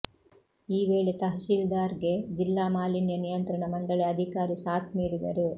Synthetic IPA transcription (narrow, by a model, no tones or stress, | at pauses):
iːʋeːɭet̪ɐɦɐʃiːld̪aːɾɡe̞d͡ʒilːaːmaːlinjɐnijɐnt̪ɾɐɳɐmɐɳɖɐɭeɐd̪ʱikaːɾisaːt̪niːɽid̪ɐ̰ɾu